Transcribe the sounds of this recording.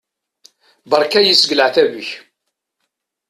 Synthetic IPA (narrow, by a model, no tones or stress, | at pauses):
bəɾˤkæjəsɡləʕθævəç